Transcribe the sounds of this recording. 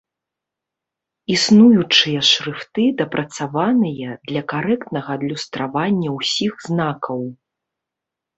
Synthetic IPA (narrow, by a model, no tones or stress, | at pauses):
isnujut͡ʂɨjɐʂɾɨft̪ɨd̪ɐpɾʔɐt̪savanɨjɐd̪lʲɐkaɾɛkt̪nɐɣɐːd̪lʲust̪ɾavanʲːɐwsʲiɣznakɐw